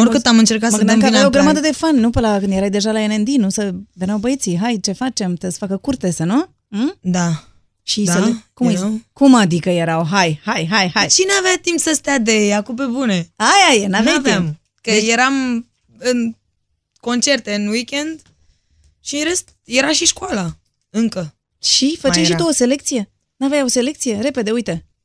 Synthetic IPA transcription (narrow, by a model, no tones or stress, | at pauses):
oɾkɨtt̪amɨnt͡ʃe̞rkat̪məɡəɨnd̪amkəavajoɡɾəmad̪əd̪e̞fannːupəlakɨnd̪jeɾajd̪e̞ʒalaenend̪inusəvenawbəjet̪siɦajt͡ʃe̞fat͡ʃe̞mt̪esfakəkurt̪e̞sanu | d̪a | ʃiselkumkumad̪ikəje̞ɾawɦajhajɦajhajt͡ʃineaveat̪impsəst̪ead̪eakup̬ebune̞ajajenavjatviam | kəjeɾam | ɨn | ko̞nt͡ʃe̞rt̪e̞ɨnwikʲend̪ | ʃieɾest̪ | jeɾaʃiʃkwala | ɨŋkə | ʃifət͡ʃejʃit̪oose̞le̞k̚t̪sije̞ | navajose̞le̞kt̪sije̞ɾe̞pe̞d̪e̞ujt̪e̞